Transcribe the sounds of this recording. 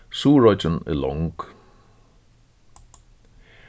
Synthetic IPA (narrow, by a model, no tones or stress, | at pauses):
suːɹɔd͡ʒənə̰lɔ̰ŋk